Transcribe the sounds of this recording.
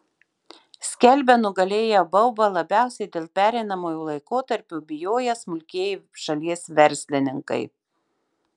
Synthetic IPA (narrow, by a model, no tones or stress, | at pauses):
sʲkʲɛlʲˑbʲɛnʊɡɐlʲeːjobɐʊbɐlˠɐbʲæˑʊsʲɛɪd̪ʲeːlˠpʲæːɾʲɛɪnɐmoːjuːlˠɐɪkoːt̪ɐɾʲpʲʊːbʲɪjoːjɛsmʊlʲkʲeːjɪʃɐlʲiɛsʋʲɛɾʲsʲlʲɪnʲɪŋkɐ̰ɪ